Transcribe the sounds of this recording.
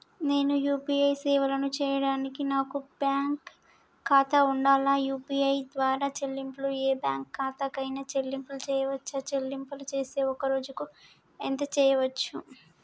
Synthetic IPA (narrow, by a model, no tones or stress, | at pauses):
ne̞ːnujuːpiɐjsɛːʋɐlɐnut͡ʃɛːjɐɽaːnikinaːkubjaːŋkʰː | aːt̪ɐuɳɖaːlaːjuːpiɐjd̪ʋaːɾaːt͡ʃelːimplueːbjaːŋkːaːt̪ɐkɐjnɐt͡ʃelːimplut͡ʃɛːjɐʋɐt͡ʃːɐt͡ʃelːimpɐlut͡ʃeːse̞ːɔkɐɾo̞ːd͡ʒuku | ent̪ɐt͡ʃɛːjɐʋɐt͡ʃːu